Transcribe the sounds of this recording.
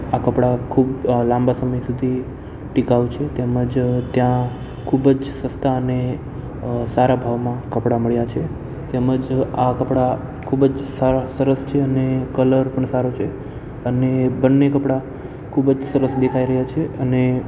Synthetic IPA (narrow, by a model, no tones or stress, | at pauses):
akəpɽakʰublãmbasəməjsud̪ʱi | ʈikaʋt͡ʃʰet̪eməd͡ʒt̪jã | kʰubd͡ʒsəst̪aəne | saɾabʱaʋmãkəpɽaməɭjat͡ʃʰe | t̪eməd͡ʒakəpɽa | kʰubd͡ʒsaɾasəɾəst͡ʃʰeənekələɾpəɳsaɾot͡ʃʰe | ənebənːekəpɽa | kʰubd͡ʒsəɾəsd̪ekʰaiɾəɦjat͡ʃʰeəne